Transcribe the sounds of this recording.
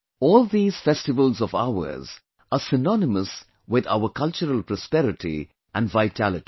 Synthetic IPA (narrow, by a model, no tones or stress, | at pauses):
ɔːlˠd̪iːz̥fɛstɪvəlˠzɔva̰ʊə̰z | əsɪnɔnɪməs | wɪða̰ʊəkʰʌlt͡ʃəɾəlpɾɔspɛɾɪʈʰḭ | ʔæ̃nɖvaɪtʰælɪti̥